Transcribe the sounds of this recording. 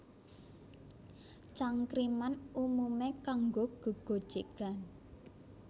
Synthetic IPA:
t͡ʃaŋkɾimanumumekaŋɡoɡ̥o̤ɡ̥o̤d̥ʒ̥e̤ɡ̥a̤n

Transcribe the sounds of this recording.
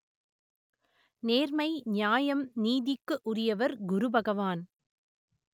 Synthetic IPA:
neːɾmɐɪɲjaːjɐmniːðɪkːɯʔʊrɪjɐʋɐɾɡʊɾʊbʱɐɣɐʋaːn

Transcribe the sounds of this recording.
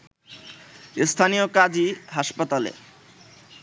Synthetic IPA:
est̪ʰanijokad͡ʑiɦaʃpat̪alḛ

